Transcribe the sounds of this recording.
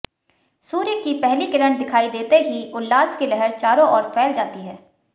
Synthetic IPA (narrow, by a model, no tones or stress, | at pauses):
suːɾjəkːipɛɦlikɪɾəɳd̪ɪkʰaːid̪eːt̪eɦiʊlːaːskelɛɦəɾt͡ʃaːɾõʔɔːɾpʰɛːld͡ʒaːt̪iɦɛː